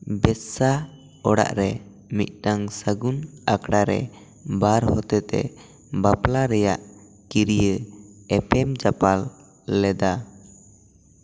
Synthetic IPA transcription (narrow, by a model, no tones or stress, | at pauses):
bɛsa | ɔɽa̰ʔɾɛ | mit̪̚ˀʈaŋsəɡunakɽaɾɛ̰ | baɾhɔt̪ɛt̪ɛ̰ | baplaɾɛjaʔ | kiɾijəɛpɛmd͡ʒapalː | ɛd̪a